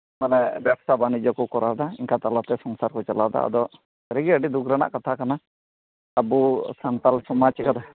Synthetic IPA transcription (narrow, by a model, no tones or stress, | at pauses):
manɛbjabsabanid͡ʒɔkɔkɔɾʔad̪aiŋkat̪alat̪ɛsɔŋsaɾkɔt͡ʃalad̪a̰ə̰d̪ɔ | ɛɾɛɡiəɖid̪ukɾana̰ʔkat̪ʰakana | əbusant̪alsɔmat͡ʃkad̪a